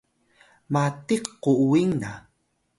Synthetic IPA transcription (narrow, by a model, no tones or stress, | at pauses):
matiqːuuwiŋna